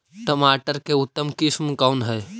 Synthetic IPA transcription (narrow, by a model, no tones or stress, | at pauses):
ʈəmaʈəɾkeut̪ːəmkismkawnɦəj